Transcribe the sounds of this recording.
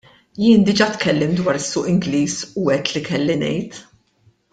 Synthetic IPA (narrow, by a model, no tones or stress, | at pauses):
jɪːnd̪ɪd͡ʒɐt̪kʰɛlːɪmd̪wɐːɾɪsːʊːʔɪŋɡliːsuɛt̪ːlikʰɛlːinɛ̰jt̪